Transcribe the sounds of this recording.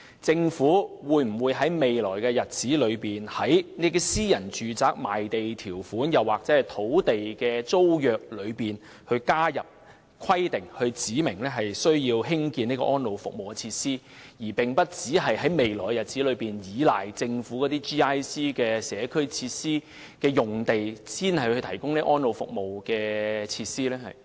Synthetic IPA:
t͡sɪ˧ŋfuː˨˥wuː˨˧jm̩˨˩wuː˨˧jɦɐ˨˥jme˨jlɔː˨˩jkɛː˧jɐ˨t̚t͡siː˨˥lɵ˨˧ɥpiː˨nhɐ˨˥jne˥t̪i˥siː˥jɐ˨˩nt͡ʃyː˨t͡saː˨˩k̚ma̰ː˨˩jt̪e˨jt̪ʰiː˨˩wfuː˨˥njɐ˨waː˨k̚t͡sɛː˨˥˨t̪ʰo˨˥wt̪e˨jkɛː˧t͡so˥wjœː˨k̚lɵ˨˧ɥpiː˨n | hɵ˧ɥkaː˥jɐ˨p̚ | kʰɐ˥jt̪ɪ˨ŋhɵ˧ɥt͡siː˨˥mɪ˨˩ŋlɛː˥ɦɐ˨jsɵ˥ɥjiː˧wɦɪ˥ŋkiː˧niː˥kɔ̰˧ʔɔː˥nlo˨˧wfʊ̰˨k̚mo˨wkɛ˧t͡sʰiː˧t̚siː˥ | jiː˨˩pɪ˨ŋpɐ˥t̚t͡siː˨˥ɦɐ˨jhɐ˨˥jme˨jlɔː˨˩jːjɐ˨˩t̚t͡si˨˥lɵ˨˧piː˨˩njiː˨˧laː˨˩jt͡sɪ˧ŋfuː˨˥kɔː˨˥t̪iː˥t͡ʃiː˥aː˥jsiː˥kɛː˧sɛː˨˧kʰɵ˥ɥt͡sʰiː˧t̚siː˥ | kɛː˧jʊ˨ŋt̪e˨jsiː˥nhɐ˨jhhɵ˧t̪ʰɐ˨˩jkʊ˥ŋniː˥ʔɔː˥nlo˨wfʊ̰˨k̚mo˨wkɛː˧t͡sʰiː˧t̚siː˥lɛː˥hɐ̰˨˩j

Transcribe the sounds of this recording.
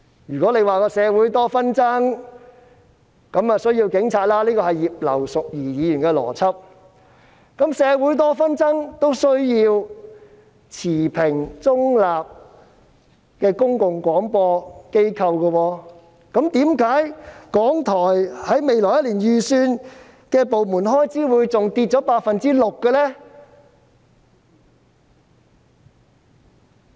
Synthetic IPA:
jyː˨˩kɔː˨˥le˨˧jwaː˨kɔː˧sɛː˨˧wuː˨˥jt̪ɔː˥fɐ˥nt͡sɐ˥ŋ | kɐ˨˧˥mɐ˨sɵ˥ɥji˧wkɪ˨˥ŋt͡sʰaː˨˧t̚laː˥liː˥kɔː˧hɐ˨jiː˨p̚lɐ̰˨˩wsʊ˨k̚jiː˨˩jiː˨˧jy˨˩nkɛː˧lɔ̰ː˨˩t͡sʰɐ˥p̚ | kɐ˨˥msɛː˨˧wuː˨˥jt̪̬ɔː˥fɐ˥nt͡sɐ˥ŋt̪o˥wsɵ˥ɥjiː˧w | t͡sʰiː˨˩pʰɪ˨˩ŋt͡sʊ˥ŋlaː˨p̚ | kɛː˧kʊ˥ŋkʊ˨ŋkʷɔː˨˥ŋpɔː˧ke˥jkʰɐ˧wkə˧wɔː˧ | kɐ˨˥mt̪iː˨˥mkaː˨˥jkɔː˨˥ŋt̪ʰɔː˨˩jhɐ˨˥jme˨jlɔː˨˩jɐ˥tliː˨˩njyː˨syː˧n | kɛː˧po˨wmuː˨˩nɦɔː˥jt͡siː˨˥wuː˨˧jt͡sʊ˨ŋt̪iː˧t̚t͡ʃɔː˨˥paː˧t̚fɐ˨nt͡siː˥lʊ˨˩kːə˧lɛː˥

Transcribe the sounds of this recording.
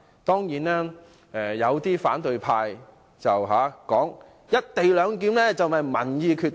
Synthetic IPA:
t̪ɔː˥ŋjiː˨˥naː˥ | ɛː˨jɐ˨˧wt̪iː˥faː˨˥nt̪ɵ˨˧ɥpʰaː˧j | t͡sɐ˨wɦaː˨˦kɔː˨˥ŋ | jɐ˥t̚t̪e˨jlœː˨˧ŋkiː˨˥mlɛː˥t͡sɐ˨wmɐ˨jmɐ˨˩njiː˧kʰyː˧t

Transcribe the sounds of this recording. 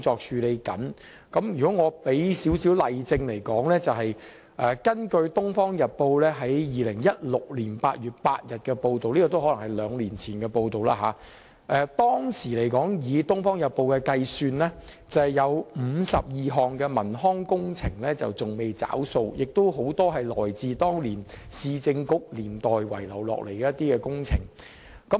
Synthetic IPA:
t͡sɔː˧k̚t͡ʃʰyː˨˧le˨˧jkɐ̰˨˥n | kɐ˨˥mjyː˨kɔː˨˥ŋɔː˨˧pe˨˥jsiː˨˥wsiː˨˥wlɐ˨jt͡sɪ˧ŋle˨˩jkɔː˨˥ŋlɛː˥t͡sɐ˨wɦɐ˨j | ʔɛː˨kɐ˥nkɵ˧ɥt̪ʊ˥ŋfɔː˥ŋjɐ˨t̚po˧wlɛː˥ɦɐ˨˥jjiː˨lɪ˨˩ŋjɐ˥t̚lʊ˨k̚liː˨˩npaː˧t̚jyː˨t̚paː˧t̚jɐ˨t̚kɛː˧po˧wt̪o˨wliː˥kɔː˨˧t̪o˥wɦɔ˨˥lɐ˨˩ŋhɐ˨jlœː˨˧ŋliː˨˩nt͡sʰiː˨˩nkɛː˧po˧wt̪o˨wla̰ː˧ɦaː˨˦ | ʔɛː˨˧t̪ɔː˥ŋsiː˨˩le˨˩jkɔː˨˥ŋjiː˨˧t̪ʊ˥ŋfɔː˥ŋjɐ˨t̚po˧wkɛː˧kɐ˧jsyː˧nlɛː˥ | t͡sɐ˨jɐ˨˧wm̩˨˧sɐ˨p̚jiː˨˧ɦɔː˨ŋkɛ˧mɐ˨˩nɦɔː˥ŋkʊ˥ŋt͡sʰɪ˨˩ŋlɛː˥t͡sɐ̰˨wt͡sʊ˨ŋme˨jt͡sa̰ː˨˥wso˧wjɪ˨k̚t̪o˥wɦo˨˥wt̪ɔː˥ɦɐ˨jlɔ̰ː˨˩jt͡siː˨˧t̪ɔː˥ŋliː˨˩n | siː˨˧t͡sɪ˧ŋkʊ˥k̚liː˨˩nt̪ɔː˨jwɐ˨˩jlɐ̰˨˩wlɔ̰ː˨˩k̚le˨˩jkɛː˧˦jɐ˥t̪iː˥kɛː˧kʊ˥ŋt͡sʰɪ˨˩ŋ | kɐ˨˥m

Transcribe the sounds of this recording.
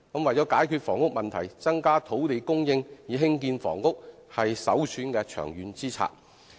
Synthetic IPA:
kɐ˨˥mwɐ˨jt͡sɔː˨˥kaː˨˥jkʰyː˧t̚fɔː˨˩ŋʊ˥k̚mɐ˨nt̪ʰɐ˨˩jt͡sɐ˥ŋkaː˥t̪ʰo˨˥wle˨˧jkʊ˥ŋjɪ˧ŋjiː˨˩ɦɪ˥ŋk̬iː˧nfɔ̰ː˨˩ŋːʊ˥k̚ | hɐ˨jsɐ˨˥wsʰyː˨˥nkɛ˧t͡ʃʰœ̰ː˨˩ŋjyː˨˧nt͡siː˥t͡sʰa̰ː˧˥t̚

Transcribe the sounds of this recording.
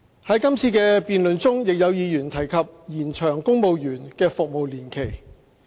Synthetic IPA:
hɐ˨˥jkɐ˥mt͡sʰiː˧kɛː˧piː˨nlɵ˨nt͡sʊ˥ŋjɪ˨k̚jɐ˨˧wjiː˨˧jyː˨˩nt̪ʰɐ˨˩jkʰɐ˨p̚jiː˨˩nt͡ʃʰœː˨˩ŋkʊ˥ŋmo˨˧wjyː˨˩nkɛː˧fʊ˨k̚mo˨wliː˨˩nkʰe˨˩j

